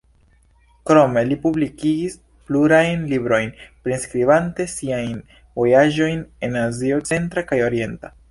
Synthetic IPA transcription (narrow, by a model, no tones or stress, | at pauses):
kɾo̞me̞lipublikiɡis | pluɾajnlibɾo̞jnpɾenskɾibante̞siajn | vo̞jaʒo̞jne̞nazio̞t͡se̞ntɾakajo̞ɾie̞nta